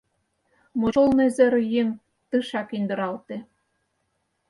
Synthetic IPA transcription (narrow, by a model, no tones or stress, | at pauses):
moŏlnĕzɘ̆ɾjeŋ | t̪ɯʃɑkind̪ɤ̆ɾɑlt̪ĕ